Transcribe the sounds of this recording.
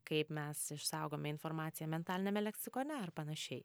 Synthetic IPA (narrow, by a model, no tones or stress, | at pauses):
kɐɪpmʲɛsɪʃsɐʊɡoːmʲɛɪnfoːɾmɑːt̪sʲɪjɛmʲɛnt̪ɑːlʲɪnʲɛmʲɛlʲɛksʲɪkoːnʲɛɐrpɐnɐʃʲɛɪ